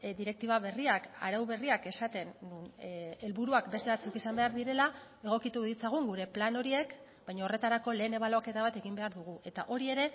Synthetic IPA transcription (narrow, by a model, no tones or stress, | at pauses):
d̪iɾe̞k̚t̪iβaβe̞riaka̰ɾawβe̞riake̞sat̪e̞nːune̞lβuɾuakbe̞st̪e̞βat͡sukisambe̞aɾðiɾe̞la | e̞ɣ̞o̞kit̪uðit͡saɣ̞uŋɡuɾe̞plano̞ɾie̞k | bajɲao̞re̞t̪aɾako̞le̞ːne̞βaloke̞t̪aβat̪e̞ɣimbe̞aɾðuɣ̞uʔe̞t̪aʔo̞ɾie̞ɾe̞